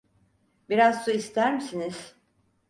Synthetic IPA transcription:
biɾazsuist̪ʰæɾmisiniz̥

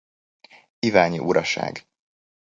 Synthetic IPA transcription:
ivaːɲiʔuɾɒʃa̰ːɡ

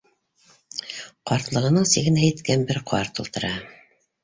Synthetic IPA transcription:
qɑɾt̪lˠɤ̆ʁɤ̆nɤɴsiɣɘ̆næjɘ̆t̪kænbɘɾqʰɑ̰ɾt̪ulˠt̪ɤ̆ɾɑ

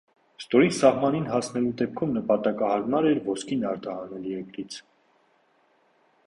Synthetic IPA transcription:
st̪ɔɾisɑhmɑninɦɑsnɛlud̪ɛp̚kʰumnəpɑt̪ɑkɑhɑɾmɑɾɛɾvɔskʰinɑɾt̪ɑhɑnɛliɛkɾit͡sʰ

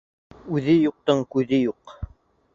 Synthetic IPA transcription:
ʉðɘjuq̚t̪ɤɴkʉðɘjuq

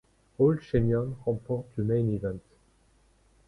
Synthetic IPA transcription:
old̪ʃɛmjɔnʁɑ̃pɔʁt̪ləmɛ̃jnivɛ̃nt̪

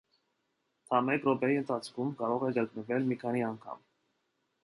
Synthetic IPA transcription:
t̪ʰɑmɛkɾɔpɛiənt̪ʰɑt͡sʰkʰumkɑɾɔʁɛɡəknəvɛlmikʰɑniɑŋkʰɑ̰m

